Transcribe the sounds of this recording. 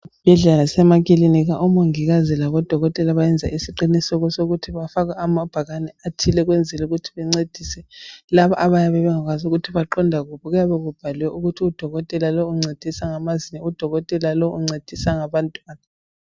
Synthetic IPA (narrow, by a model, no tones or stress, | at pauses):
b̥ʱɛɮɛlasɛmaɣiliniɣaʔumoŋiɣazilaβɔd̥ʱɔɣɔtʼɛlaβajɛnd͡zʱaʔisiǃinisɔɣusoɣutʰiβafaɣaːmab̥ʱaɣanɛatʰilɛɣwend͡zʱɛluɣutʰi̥βɛŋ͡ǀed̥ʱisɛlaβaʔaβajaβɛβɛŋaɣwazuɣutʰiβaǃɔndʱaɣuβɔɣujaβɛɣub̥ʱaliwɛʔuɣutʰiud̥ʱɔɣɔtʼɛlalouŋ͡ǀed̥ʱisaŋamazinɛud̥ʱɔɣɔtʼɛlaloʔuŋ͡ǀed̥ʱisaŋaβantʼwaːna